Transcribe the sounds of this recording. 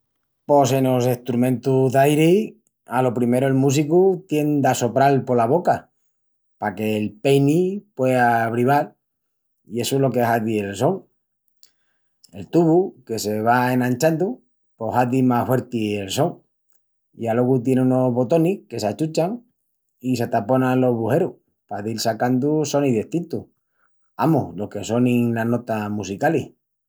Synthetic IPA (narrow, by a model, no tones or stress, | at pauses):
po̞se̞no̞seht̪ɾumẽ̞nt̪uðajɾi | alo̞pɾime̞ɾoelmus̬ikut̪je̞nd̪aso̞pɾalpo̞laβo̞ka | pake̞ːlpejnipwe̞aβ̞ɾiβal | ie̞soelo̞keɦaðielso̞ŋ | e̞lt̪uβuke̞se̞β̞aeŋãɲt͡ʃand̪u | po̞haðimahfwe̞ɾt̪ielso̞ŋ | ialo̞ɣut̪jeneuno̞βo̞t̪o̞nihke̞sat͡ʃut͡ʃaŋ | isat̪apo̞nalo̞ɦβuhe̞ɾu | paðilsakand̪uso̞niðeht̪int̪u | amohlo̞hke̞so̞niŋlano̞t̪amusikali